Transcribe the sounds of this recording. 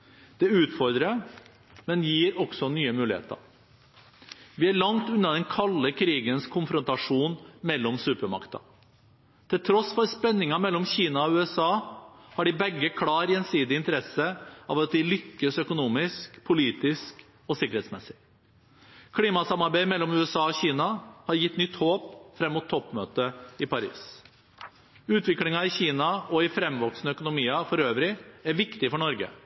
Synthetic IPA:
d̪̥ɛʉːt̪fɔɾd̪ɾə | mɛnjiːɾɔɡ̥sɔnyːəmʉːlɪhḛːt̪ə̰ɾ | ʋɪæɭɑŋt̪ʉnːɑd̪ɛnkʰɑlːəkʰɾiːɡənskʰʊnfɾʊnt̪ɑʂuːnmɛlːɔmsʉːpəɾmɑ̰kt̪ɑ̰ | t̪ʰɪlt̪ʰɾɔsfɔɾspɛnːɪŋɑmɛlːɔmçiːnɑɔʉːɛsɑːhɑɖɪbɛɡːəkʰlɑːɾjɛnsiːd̪ɪɪnt̪əɾɛsəɑʋɑt̪̚d̪ɪlʏkːəsœkʊnuːmɪskpʰʊliːt̪ɪsk | ɔsɪkəɾɛːt̪smɛsɪ̥ | kʰliːmɑsɑmɑɾbæɪmɛlːɔmʉːɛsɑːɔçiːnɑhɑɾjɪt̪ːnʏt̪ːhoːpfɾɛmːʊt̪ʰːɔpːmø̰ːt̪əɪpɑɾḭːs | ʉːt̪ʋɪklɪŋɑɪçiːnɑɔɪfɾɛmːʋɔksnəœkʊnʊmiːɑfɔɾøːʋɾɪæɾʋɪkt̪ɪfɔɳɔɾɡə̰

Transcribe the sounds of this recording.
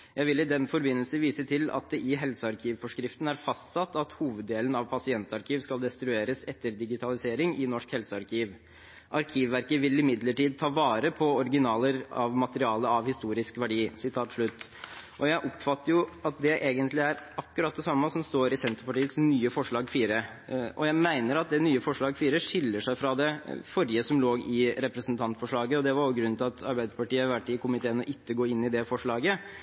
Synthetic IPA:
jæɪʋɪlːɪd̪ɛnfɔɾbɪnːəlsəʋiːsət̪ʰɪlɑ̰t̪̚d̪ɛʔɪɦɛlsəɑɾkʰiːʋfɔʂkɾɪft̪n̩æɾfɑst̪sɑt̪ːɑt̪huːʋəd̪ːeːlənɑʋpʰɑsɪɛnt̪ɑɾkʰiːʋskɑld̪ɛst̪ɾʉeːɾəsɛt̪ːəɾd̪ɪɡɪt̪ʰɑlɪseːɾɪŋɪnɔʂkhɛlsəɑɾkʰiːʋ | ʔɑɾkʰiːʋːæɾkəʋɪlːɪmɪd̪ləʈiːd̪̚t̪ʰɑːʋɑːɾəpʰɔɔɾɡɪnɑːləɾɑ̰ʋmɑt̪əɾɪɑːləɑʋhɪst̪uːɾɪskʋæɖiːsɪt̪ʰɑːt̪ʂɭʉt̪ːʔɔjæɪʔɔpfɑt̪ːəɾjʊɑt̪̚d̪ɛʔeːɡənt̪lɪæɾɑkːʉɾɑt̪̚d̪ɛsɑmːəsɔmst̪oːɾɪsɛnt̪əɾpɑʈiːət̪snyːəfɔʂɭɑːɡfiːɾə | ʔɔ̰jæɪmæɪnəɾɑt̪̚d̪ɛnyːəfɔʂɭɑːɡfiːɾəʂɪlːəʂæɪfɾɑd̪ɛfɔɾjəsɔmloːɡɪɾɛpɾəsn̩t̪ʰɑnt̪fɔʂɭɑːɡəɔd̪ɛʋɑɾɔɡɾʉnt̪ʰɪlɑt̪ʰɑɾbæɪd̪əpɑʈiːəɑʋæʈːɪkʊmɪt̪ʰeːənɔʔɪkːəɡoːɪnːɪd̪ɛfɔʂɭɑːɡə

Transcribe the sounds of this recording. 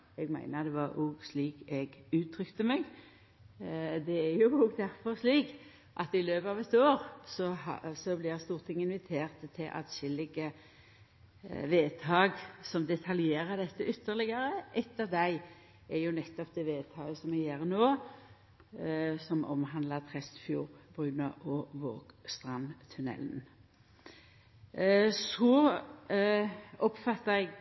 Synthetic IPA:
ɛɡmæ̰ɪnəd̪ɛʋɑɾʔoːɡsliːkɛɡʉːt̪ʰɾʏkt̪əmɛɡ | d̪ɛæɾjʊoːɡd̪æɾfɔɾsliːk | ʔɑt̪ɪløːpɑːʋɛt̪oːɾsɔhɑsɔblɪst̪uːʁt̪ʰɪŋɪnʋɪt̪ʰeːʁt̪t̪ʰːɪlʔɑ̰t̪ɕɪlːɪɡə | ʋeːt̪ʰɑːɡsɔmd̪ɛt̪ʰɑljeːɾəd̪ɛt̪ːəʏt̪ːəʁlɪɡəɾəʔɛt̪ːəʁd̪æɪ | ɛjʊnɛt̪ːɔp̚d̪ɛːʋeːt̪ʰɑːɡəsɔmɛɡjeːʁənoː | sɔmʔɔ̰mɦɑnd̪lət̪ʰʁɛst̪fjuːʁb̥ʁʉːnəʔɔʋoːɡ̥st̪ʁɑnt̪ʰʉnɛ̰ln̩ | sɔ | ɔpfɑt̪ːəɾɛɡ

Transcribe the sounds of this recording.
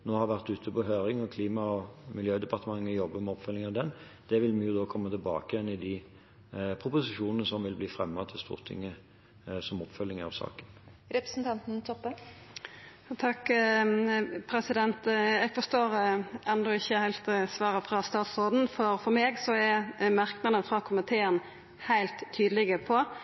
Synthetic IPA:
noːhɑɾʋæʁt̪ʉːt̪ʰəpɔɦøːɾɪŋɔkʰliːmɑɔmɪljøːd̪ɛpɑʁt̪əmɑŋːəɔjɔbːəmɛɔpfœlɪŋɑʋd̪ɛn | d̪̥ɛʋɪlmɪjʊd̪oːkʰɔmːət̪ʰɪlbɑ̰ːkəjɛnɪd̪ɪ | pʰɾʊpʊsɪʂuːnənəsɔmʋɪlbliːfɾɛmːɑt̪ʰɪlst̪ṵːʁt̪ʰɪ̰ŋːə | sɔmɔpfœlːɪŋəɑ̰ʋsɑ̰ːkənɾɛpɾə̥sn̩t̪ʰɑnt̪n̩t̪ʰɔpːə | t̪ʰɑkː | pʰɾɛsɪd̪ɛnt̪æɡfɔst̪oːɾʔɛnd̪ɔɪçːəhæɪlt̪sʋɑːɾəfʁɑst̪ɑːt̪sʁoːd̪n̩fɔɾfɔɾmeːɡsɔɛmɑʁknɑd̪əfɾɑkʰʊmɪt̪ʰeːən | hæɪlt̪ʰːyːd̪əlɪɡəpʰɔ

